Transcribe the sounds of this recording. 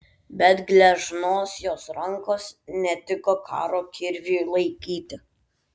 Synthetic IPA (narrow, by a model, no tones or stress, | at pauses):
bʲɛt̪ɡlʲɛʒnoːsjoːsɾɐŋkoːsnʲɛt̪ʲɪkokʰɑ̰ːɾoːkʲɪɾʲʋʲulˠɐɪkʲiːt̪ʲɪ